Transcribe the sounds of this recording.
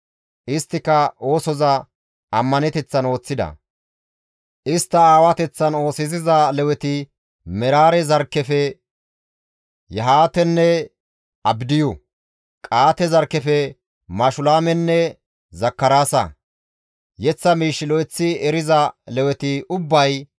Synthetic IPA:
ʔɪst̪ːɪkɐo̞ːsɔzɐ | ɐmːɐnɛt̪ɛt͡sːɐno̞ːt͡sːɪd̪ɐ̰ | ʔɪst̪ːɐaːwɐt̪ɛt͡sːɐno̞ːsɪzɪzɐlɛwɛt̪ɪ | mɛɾaːɾɛzɐɾkːɛfɛ | jɛɦaːt̪ɛnːɛ | ɐbd̪ɪjʊ | kʼaːt̪ɛzɐɾkːɛfɛ | mɐʃʊlaːmɛnːɛ | zɐkːɐɾaːsɐ̰ | jɛt͡sːɐmiːʃːɪlɔjt͡sːɪɛɾɪzɐlɛwɛt̪ɪʊbːɐj

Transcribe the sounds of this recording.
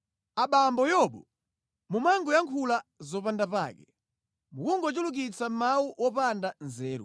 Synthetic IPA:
aɓambɔjɔɓɔ | mumaŋɡɔjaŋkʰulazɔpandapa̰ːkɛ | mukuŋɡɔt͡ʃuluk̬it͡sam̩mawuwɔpandanzɛːɾṵ

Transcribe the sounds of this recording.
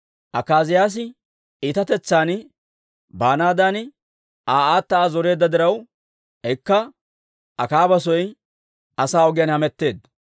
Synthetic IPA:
ʔɐkːaːzɪjaːs̬ɪ | iːt̪ɐt̪ɛt͡sːaːn | baːnaːd̪an | aːaːt̪ːɐaːzɔɾe̞ːd̪ːɐd̪ɪɾɐw | ɛkːɐ | ʔɐkaːbɐs̬ɔj | ɐsaːɔɡɪjɐnhɐmɛt̪ːe̞ːd̪ɐ

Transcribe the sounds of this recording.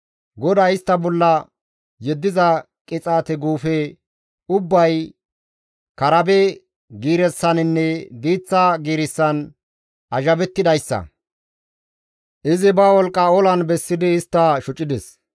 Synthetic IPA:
ɡɔd̪ɐɪst̪ːɐbɔlːɐ | jɛd̪ːɪzɐ | kʼɪt͡sʼaːt̪ɛɡuːfɛ | ʊbːɐj | kɐɾɐbɛ | ɡiːɾɛsːɐnɪnːɛb̪iːt͡sːɐɡiːɾɪsːɐn | ʔɐʒɐbɛt̪ːɪd̪ɐjsːɐ̰ | ʔɪzɪbɐwɔlkʼːɐɔlɐnbɛsːɪd̪ɪːst̪ːɐʃʊt͡ʃʼːɪd̪ɛs

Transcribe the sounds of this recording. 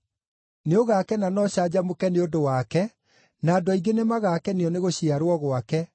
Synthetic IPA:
neoɣakɛnanɔɕad͡ʑamokɛneodowakɛ | nadwɔiɡenemaɣakɛneɔneɣoɕiaɾwɔɣwakɛ

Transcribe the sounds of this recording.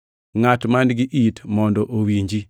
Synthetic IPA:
ŋatmandɡiʔitmɔndɔʔowiɲd͡ʒi

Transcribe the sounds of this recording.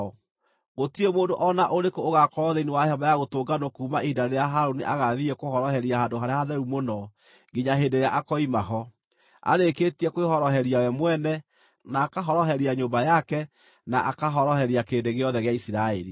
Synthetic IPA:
ɣotiemoːndoʔɔnaʔoɾekoːɣakɔðeiniwahɔmbajaɣotoːɡanokuːmaʔidaɾeeaɦaɾoniʔaɣaðiɛkohɔɾɔhɛɾiaɦadoɦaɾeaðɛɾumonɔ | ŋɡiɲaɦeːndeɾeaʔakɔimaɦɔ | a̰ɾeketiɛkwehɔɾɔɦɛɾiawɛmwɛnɛ | naːkaɦɔɾɔɦɛɾiaɲoːmbajakɛ | naʔakaɦɔɾɔhɛɾiakeːndeɣeɔðɛɣeaisiɾaḛɾi

